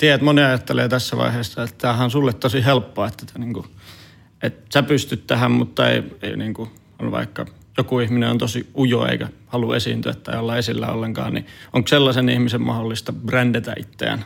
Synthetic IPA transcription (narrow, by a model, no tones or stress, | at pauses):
t̪iæt̪moniɑjɑt̪ːeleːt̪æsːæʋɑ̰iheːsːɑet̪t̪æhænsulːet̪t̪osihelpːoɑet̪ːæ̥t̪æniːŋku | ʔet̪sæpyst̪yt̪t̪æhæmmut̪ːɑḛieiniːŋku | onʋɑ̰ikːɑ | jokuihmineo̰nt̪osiujo̰ḛikæhɑluḛsḭːnt̪yæt̪ːæiolːɑesilːæ̰o̰lːeŋkɑ̰ːnnḭʔoŋkselːɑsenihmisemmɑholːist̪ɑb̥rændet̪æ̰ʔit̪ːḛːn